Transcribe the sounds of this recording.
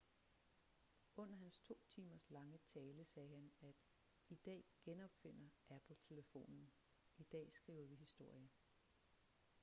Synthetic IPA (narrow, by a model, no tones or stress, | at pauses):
ɔ̽n̰ɐɦænst͡sʰo̝̰ːt͡sʰiːmɐslɑ̈ŋət͡sʰɛːləsɛːɦænæd̥ | id̥ɛ̰ːɡ̥enɒ̽b̥fe̝n̰ɐʔæb̥l̩t͡sʰe̝ləfo̝̰ːnn̩ | id̥ɛ̰ːsɡ̥ʁḭːʊɐʋiɦisd̥o̝ɐ̰jə